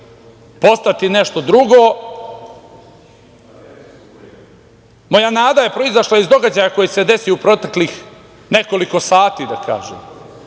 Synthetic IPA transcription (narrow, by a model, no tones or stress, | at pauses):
po̞st̪at̪ine̞ʃt̪o̞d̪ɾuɡoː | mo̞janaːd̪aje̞pɾo̞izaʃlˠaizd̪o̞ɡad͡ʑajako̞jise̞d̪e̞siupɾo̞t̪eklix | ne̞ko̞liko̞saːt̪id̪akʰa̰ːʒḛːm